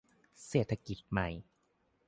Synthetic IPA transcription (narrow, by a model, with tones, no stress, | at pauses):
seː˨˩t̪ʰːa˧ki˨˩t̪̚ma˨˧˩j